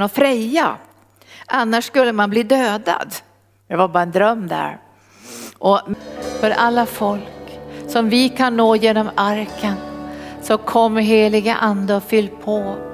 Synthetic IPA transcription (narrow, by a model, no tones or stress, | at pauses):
ɔfɾɛjːa̰ | ʔanːaʂskɵlːəmanbliːd̪øːd̪a̰d̪ | j̪ɑvabɑːɾaɛnd̪ɾœmːd̪æ̰ɾ | ʔɔmfœɾʔalːafɔlksɔmvɪkʰanːoːjeːnɔmaɾkʰənsɔkʰɔmːəɦeːlɪɡə̰ʔand̪əɔfʏlːpʰɔ